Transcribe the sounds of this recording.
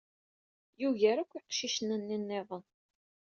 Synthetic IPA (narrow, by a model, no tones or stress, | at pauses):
juʝæɾækʷːiqʃiʃənənːinːɪðˤən